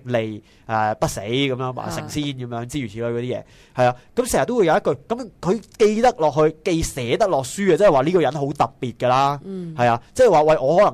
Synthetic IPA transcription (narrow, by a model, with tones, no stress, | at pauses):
le˨˩j | ʔɛː˨˩pɐ˥t̚se˨˥jkɐ˨˧mjœː˧˥ŋwa̰ː˨˩sɪ˨˩ŋsiː˥nkɐ˨˦mjœː˨˥ŋt͡siː˥ɥyː˨˩iː˨˥ɔː˧kɔ˨˧t̪iː˥jɛ̰ː˨˧ | hɐ˨jaː˧kɐ˨˥msɛ˨˩jɐ˨t̪ːo˥wu˨˧jɐ˨˧wjɐ˥tkɵ˧kɐ˨˥mkʰɵ˨˧ɥke˧jt̪ɐ˥k̚lɔː˨k̚hɵ˧ɥke˧jsɛː˨˥t̪ɐ˥k̚lɔː˨k̚syː˥ɐ˧t͡sɛː˥˨waː˨˩liː˥kɔ˧jɐ˨˥nɦo˨˥wt̪ɐ˨˩pːiː˨t̚kə˧laː˥hɐ˨jaː˧t͡sɛː˥˩˨waː˨wɐ˨jʔɔː˨˧hɔː˨˥lɐ˨˩ŋ